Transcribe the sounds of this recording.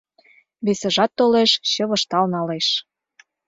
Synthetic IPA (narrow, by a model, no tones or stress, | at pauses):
βesə̆ʒɑt̪ːoleʃɕɤ̆βɤ̆ʃt̪ɑlnɑleʃ